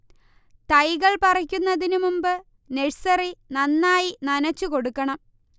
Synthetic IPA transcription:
t̪ɐjɣɐɭpɐrɐkʲːunːɐðinumumbɨ | neɻsɐrinɐnːaːjinɐnɐt͡ɕːuko̞ɽukːɐɳɐm

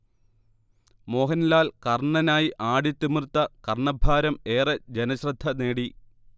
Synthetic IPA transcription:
mo̞ːɦɐnlaːlkɐrɳɐnaːjiʔaːɽit̪ːimɨrt̪ːɐkɐrɳɐbʱaːɾɐmeːrɐd͡ʑenɐɕrɐd̪ʱːɐne̞ːɽi

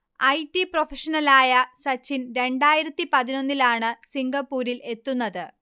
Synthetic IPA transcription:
ɐjʈːipro̞feʂɐnɐlaːjɐsɐt͡ɕːinɾe̞ɳɖaːjiɾɐt̪ːipɐðino̞nːilaːɳɨsiŋɡɐpːuːɾile̞t̪ːunːɐðɨ

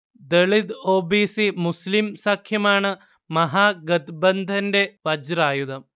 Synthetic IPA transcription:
d̪ɐɭid̪oːbiːsimuslimsaːkʰjɐmaːɳɨ | mɐɦaːɡɐt̪bɐnd̪ʱɐndeʋɐd͡ʒɾaːjud̪ɐm

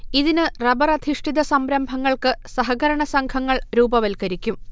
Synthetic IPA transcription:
iðinɨrɐbɐrɐd̪ʱiʂʈiðɐsɐmɾɐmbʱɐŋːɐɭkɨsɐɦɐɣɐɾɐɳɐsɐŋkʰɐŋːɐɭɾuːbɐʋɐlkɐɾikʲːum

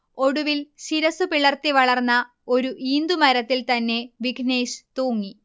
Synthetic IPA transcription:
o̞ɽuʋilɕiɾɐsupiɭɐrt̪iʋɐɭɐrnːɐ | o̞ɾuʔiːnd̪umɐɾɐt̪ːilt̪ɐnːe̞ʋiɡʱne̞ːɕt̪oːŋːi

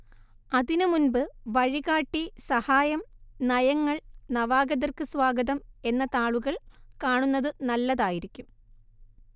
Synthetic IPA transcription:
ɐðinɨmunbɨʋɐɻiɣaːʈːisɐhaːjɐmnɐjɐŋːɐɭnɐʋaːɡɐðɐrkɨsʋaːɡɐðɐme̞nːɐt̪aːɭuɣɐɭkaːɳunːɐðɨnɐlːɐðaːjiɾikʲːum

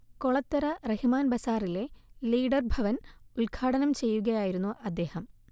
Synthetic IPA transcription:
koɭɐt̪ːɐɾɐrehimaːnbɐsaːrile̞liːɖɐrbʱɐʋɐnulɡʰʱaːɽɐnɐmt͡ɕe̞jːuɣɐjaːjiɾunːuʔɐd̪ːe̞ːhɐm

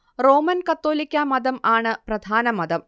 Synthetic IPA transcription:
ro̞ːmɐnkɐt̪ːo̞ːlikʲːɐmɐd̪ɐmaːɳɨprɐd̪ʱaːnɐmɐd̪ɐm

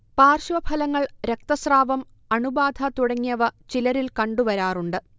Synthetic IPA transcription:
paːrɕʋɐbʱɐlɐŋːɐɭɾek̚t̪ɐsraːʋɐm | ɐɳubaːd̪ʱɐt̪uɽɐŋːijɐʋɐt͡ɕilɐɾilkɐɳɖuʋɐɾaːruɳɖɨ

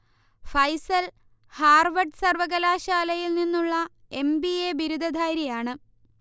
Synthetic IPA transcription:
fɐjsɐl | haːrʋɐɖsɐrʋɐɣɐlaːɕaːlɐjilninːuɭːɐ | e̞mbieːbiɾud̪ʱɐd̪ʱaːjɾijaːɳɨ

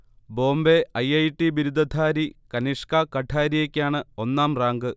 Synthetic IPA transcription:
bo̞ːmbe̞ɐjɐjʈːibiɾud̪ɐd̪ʰʱaːɾikɐniʂkakɐʈʰaːɾijekʲːaːɳɨo̞nːaːmraːŋɡɨ

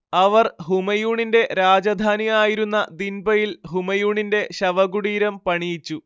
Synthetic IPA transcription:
ɐʋɐrɦumɐjuːɳinde̞ɾaːd͡ʑɐd̪ʱaːnijaːjiɾunːɐd̪inbɐjilɦumɐjuːɳinde̞ɕɐʋɐɡuɽiːɾɐmpɐɳijit͡ɕːu

